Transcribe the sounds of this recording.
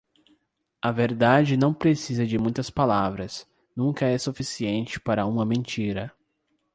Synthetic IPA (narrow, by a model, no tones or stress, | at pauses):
ɐveɾd̪ad͡ʒɪnɐ̃w̃pɾesizɐd͡ʒɪmũj̃t̪ɐspalavɾɐs | nũŋkɐɛsufisiẽnt͡ʃɪ̥paɾɐũmɐmẽnt͡ʃiɾɐ